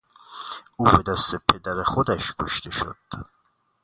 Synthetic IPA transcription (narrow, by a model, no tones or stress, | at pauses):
ʔuːbed̪æst̪epʰed̪æɾexod̪æʃkʰoʃt̪ʰe̞ʃo̰d̪̥